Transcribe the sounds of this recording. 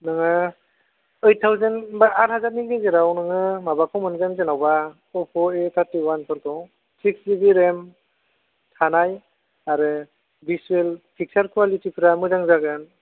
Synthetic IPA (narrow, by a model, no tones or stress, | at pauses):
nɯŋa | ɯjtʰːawzɯnbaaɾhazat̚niɡezeɾawnɯŋɯmabakʰɔwmɯnzanzenawba | ɔpʰɔet̪ʰaɾtiwanpʰɯɾkʰɔw | siksibiɾem | tʰanaj | aɾɯ | bisuelpʰik̚saɾkʰualitipʰiɾamɯzaŋzaɡɯn